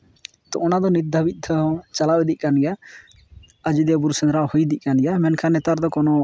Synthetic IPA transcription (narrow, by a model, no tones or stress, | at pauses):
t̪ɔʔɔnad̪ɔnit̪̚d̪ʱabit̪̚ˀd̪ʰɔt͡ʃalabɛd̪iʔ̚kanɡɛja | ad͡ʒid̪buɾsɛnɾaʔhujd̪iʔ̚kanɡɛjamɛnkʰanɛt̪aɾd̪ɔkɔnɔ